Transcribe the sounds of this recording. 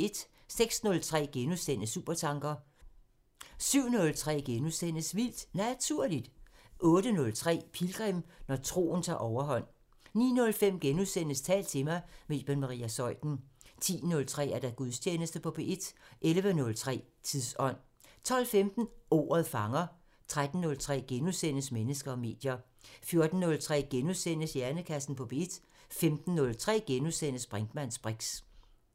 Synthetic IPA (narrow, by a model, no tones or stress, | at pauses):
e̝d̥ | seɡ̥snɔ̽lt͡sʰʁɛ̰ːɡ̥enusen̰əsṵːb̥ɐt͡sʰɑ̈ŋɡ̥ɐ | syʊ̰nɔ̽lt͡sʰʁɛ̰ːɡ̥enusenəsʋil̰d̥næt͡sʰuɐ̰lid̥ʔɔ̽ːdənɔ̽lt͡sʰʁɛ̰ːpʰilɡ̥ʁɛm̰nɒt͡sʰʁo̝̰ːn̩t͡sʰɑ̰̈ːʔɒʊɐɦɒ̽n̰ | nḭːnɔ̽lfem̰ɡ̥enusen̰əst͡sʰɛ̰ːl̥̚t͡sʰe̝mɑ̈ɪme̝d̥̚b̥enmɑ̈ʁḭːæsɒ̽ɪd̥n̩t͡sʰḭːnɔ̽lt͡sʰʁɛ̰ːæɐd̥æɡ̥uðˠsʰjeːnəsd̥əpʰɒ̽b̥ʰeʔid̥ʔelʋənɔ̽lt͡sʰʁɛ̰ː | t͡sʰiðˠsɒ̽n̰ | t͡sʰɒ̽l̰femd̥n̩o̝̰ːɐðˠfɑ̈ŋɐ | t͡sʰʁad̥n̩ːɔ̽lt͡sʰʁɛ̰ːɡ̥enusen̰əsmenəsɡ̥ɐɒ̽me̝̰ːd̥jɐ | fjo̝ɐd̥n̩nɔ̽lt͡sʰʁɛ̰ːɡ̥enusen̰əsjæɐnəkʰæsn̩pʰɒ̽b̥ʰeid̥ | femd̥n̩ːɔ̽lt͡sʰʁɛ̰ːɡ̥enusenəsb̥ʁand̥mæn̰sb̥ʁiɡ̥s